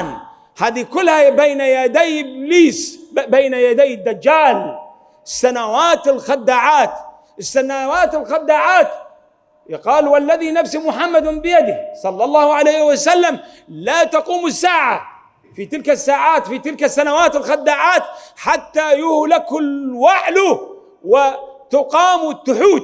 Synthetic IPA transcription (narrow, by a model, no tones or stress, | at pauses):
n | haːd̪ikʊlːhabejnajad̪ajɪbliːsbejnajad̪ajːɪd̪ːad͡ʒːaːl | ɪsːanawaːt̪ɪlxad̪ːaːʕaːt̪ | ɪsːanawaːt̪ɪlxad̪ːaːʕaːt̪ | jqɑːlwalːaðinafsimʊħamːad̪bɪjad̪ɪsˤɑlːɑlˤːɑːhʕalejhɪwasalːam | lat̪ɑquːmɪsːaːʕa | fit̪ɪlkasːaːʕaːt̪fit̪ɪlkasːanawaːt̪ɪlxad̪ːaːʕaːt̪ħat̪ːajʊhlakʊlwaʕlʊ | wɪt̪ʊqɑːmt̪ːʊħuːd̪̚